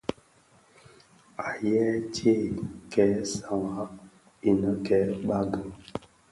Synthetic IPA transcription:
a˨jɛ˦te˦˨kɛ˦sa˨ŋa˦ | i˨nə˦kɛ˦ɓa˦ɡə˨

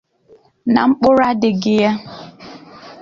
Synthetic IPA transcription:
na̰˨ŋ͡m̩˦k͡pʊ˦ɾa˦dɪ˨ɡɪ˨ja˦

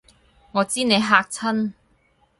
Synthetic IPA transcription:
ŋɔː˨˧t͡siː˥ne˨˧jɦaː˧k̚t͡sʰɐ˥n

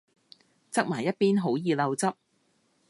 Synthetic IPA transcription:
t͡sɐ˥k̚maː˨˩jːɐ˥t̚piː˥nɦo˨˥wjiː˨lɐ˧wt͡sɐ˥p̚

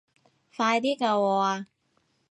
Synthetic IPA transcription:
faː˧jt̪iː˥kaː˧wɔː˧a˧

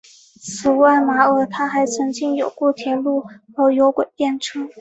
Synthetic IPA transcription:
t͡sʰɹ̩˨˩wa˥˩ɪma˧˥ɤ˧˥t̪ʰa˥xa˧˥ɪt͡sʰɤ˧˥ŋt͡ɕi˥˩njo˨˩ʊkwɔ˥˩t̪ʰjɛ˧˥nlu˥˩xɤ˧˥jo˧˥ʊkwe˨˩ɪt̪jɛ˥˩nʈ͡ʂʰɤ˥

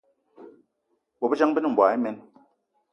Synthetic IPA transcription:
bɔ˨bɛ˦d͡ʒa˦ŋ˦bi˦n˨m̩˨bwa˨i˦me˨˦n

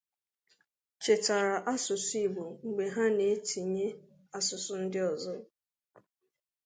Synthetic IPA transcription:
t͡ʃe˨ta˨ɾa˨ʔa˦sʊ˨si˦˨ɡ͡bo˨ŋ͡m̩˨ɡ͡be˨ɦa˦ne˨˦tʰi˨ɲe˦ | a˦sʊ˨sʊ˨n̩˦dɪ˦ɔ˨zɔ˦˨

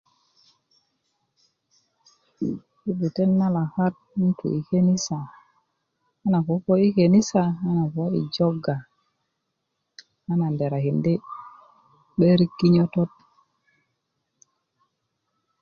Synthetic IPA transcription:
i˦bi˨te˦nːa˦la˨ka˦t̚mu˦ntṵ˨i˨ke˦ni˦sa˨˦ | na˨ko˨˦ko˦i˦ke˨ni˦sa˨a˦na˨fo˨a˦ḭ˨d͡ʒo˦ɡa˨ | a˦na˨nde˨ɾa˨hi˨ndi˦ | ɓe˦ɾi˦kːi˦ɲo˦to˦t̚

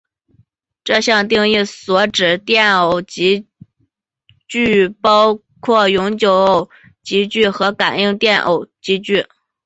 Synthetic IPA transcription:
ʈ͡ʂɤ˥˧ɕjɑ˥˧ŋt̪̬i˥˧ŋi˥˩swɔ˧˥ʈ͡ʂɻ̩˨˩t̪jɛ˥˩no˨˩ʊt͡ɕi˧˥ | t͡ɕy˥˩pɑ˥ʊ | kʰwɔ˥˩jʊ˧˥ŋt͡ɕjo˧˥ʊo˩ʊ | t͡ɕi˧˥t͡ɕy˥˩xɤ˧˥ka˨˩ni˥˧ŋt̪jɛ˥˩nʔo̰˨˩ʊt͡ɕi˧˥t͡ɕy˥˩

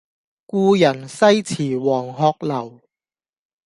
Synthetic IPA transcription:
kuː˧jɐ˨˩nsɐ˥jt͡sʰiː˨˩wɔː˨˩ŋɦɔː˧k̚lɐ˨˩w

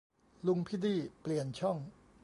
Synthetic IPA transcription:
lu˧ŋpʰi˦˥˩d̪iː˥˩pli˨˩ənt͡ɕʰɔ˥˩ŋ

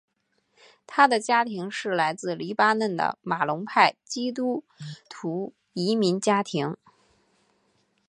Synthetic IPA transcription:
t̪ʰa˥d̪ə˨t͡ɕja˥t̪ʰi˧˥ŋʂɻ̩˥˩la˧˥ɪt͡sɹ̩˥˩li˧˥pa˥nə˥˩nd̪ə̰˩ma˨˩lʊ˧˥ŋpʰa˥˩ɪt͡ɕi˥t̪u˥ | t̪ʰu˧˥ | i˧˥mi˧˥nt͡ɕja˥t̪ʰi˧˥ŋ

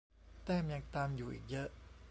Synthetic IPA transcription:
t̪ɛː˥˩mja˧ŋt̪aː˧mjuː˨˩ʔḭː˨˩k̚jɤ˦˥ʔ

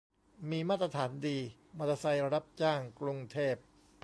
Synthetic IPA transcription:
miː˧maː˥˩t̪ːɾa˧t̪ʰaː˩˦ndiː˧ | ma˧˩t̪a˧sa˧jɾa˧ɾa˦˥p̚t͡ɕaː˥˩ŋkɾu˧ŋt̪ʰeː˥˩p̚

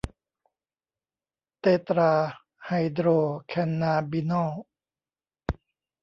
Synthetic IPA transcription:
t̪eː˧t̪ɾaː˧ | ha˧jd̪ɾoː˧kʰɛ˧nːaː˧bi˧nɔː˥˩w

